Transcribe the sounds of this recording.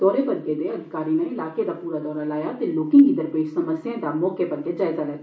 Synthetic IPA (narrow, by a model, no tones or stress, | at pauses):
d̪ɔːɾepɐɾked̪eɐd̪ʱɪkaːɾineɪlaːked̪apuːɾad̪ɔːɾalaːjat̪eloːkɪ̃ŋkid̪ɐɾpeːʃsɐməsjẽd̪amɔːkepɐɾɡed͡ʒaːɪzalɐ